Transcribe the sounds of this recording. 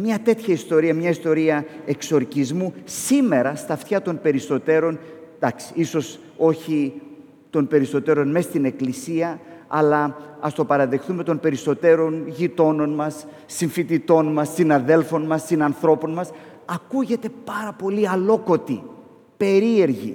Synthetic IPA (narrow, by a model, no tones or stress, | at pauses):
mɲɐt̪e̞t̪çɐist̪o̞ɾiɐmɲɐist̪o̞ɾiɐe̞kso̞ɾcizmusime̞ɾɐst̪ɐft̪çɐt̪o̞npe̞ɾist̪o̞t̪e̞ɾo̞nd̪ɐksi̥iso̞s | o̞çi | t̪o̞npe̞ɾist̪o̞t̪e̞ɾo̞nme̞st̪ine̞klisiɐɐlɐɐst̪o̞pɐɾɐðe̞xθume̞t̪o̞npe̞ɾisto̞t̪e̞ɾo̞nʝit̪o̞no̞nmɐsː | iɱfit̪it̪o̞nmɐsːinɐðe̞lfo̞nmɐsːinɐnθɾo̞po̞nmɐs | ɐkuʝe̞t̪e̞pɐɾɐpo̞liɐlo̞ko̞t̪i | pe̞ɾie̞ɾʝḭ